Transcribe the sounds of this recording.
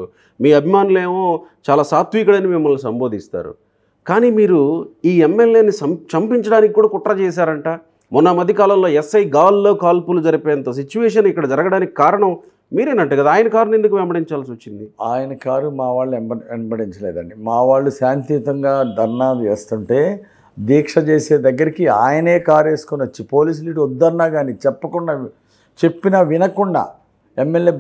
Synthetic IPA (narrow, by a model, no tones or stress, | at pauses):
miːɐbʱimaːnuleːmoːt͡ʃaːlaːsaːt̪ʋiːkɐɽɐnimimːɐɭnis̬ɐmboːd̪ist̪a̰ːɾṵ | kaːniːmiːɾuiːemːeljeːnːisɐmt͡ʃɐmpiɲt͡ʃɐɽaːnikikːuːɽaːkuʈːɾɐt͡ʃɛːs̬aːɾɐɳʈaː | mɔnːɐmɐd̪ʱikaːlɐmlo̞ːesːɐjɡaːllo̞ːkaːlpulud͡ʒɐɾipeːɐnt̪oːs̬it͡ʃːuʋɛːʂ̬ɐnikːɐɽɐd͡ʒɐɾɐɡɐɽaːnikikaːɾɐɳɐm | miːɾeːnɐɳʈuɡɐd̪aːjɐnɐkaːɾune̞nd̪uk̬uʋɛmbɐɽiɲt͡ʃaːlsiʋɐt͡ʃːind̪iaːjɐnɐkaːɾumaːʋaːɭːuɛmbɐɛmbɐɽiɲt͡ʃɐleːd̪ɐɳɖimaːʋaːɭːusaːnt̪it̪ɐŋɡaːd̪ʱɐɾnaːd̪eːst̪uɳʈe̞ː | d̪iːkʂɐt͡ʃe̞ːse̞ːd̪ɐɡːɐɾikiaːjɐneːkaːɾe̞ːsu̥kunɐt͡ʃːipo̞ːliːs̬uliːʈɔd̪ːɐɾnaːɡaːnit͡ʃɛpːɐkuɳɖaː | t͡ʃe̞pːinɐʋinɐkuɳɖa̰ː | emːeljeː